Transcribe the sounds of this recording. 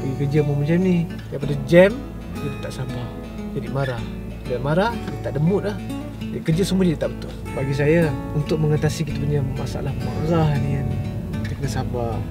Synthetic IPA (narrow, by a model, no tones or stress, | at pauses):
paɡikərd͡ʒəmumat͡ʃamni | daip̬adad͡ʒɛm | dəlit̪aʔsambah | d͡ʒadimaɾah | damaɾahdət̪aʔdəmʊt̪̚lah | d͡ʒadikərd͡ʒasəmuad͡ʒadit̪aʔbət̪ʊlbaɡis̬ajaunt̪ʊk̚məŋat̪asikit̪apuɲamasa̰lahmaɾahniankit̪əkənasamba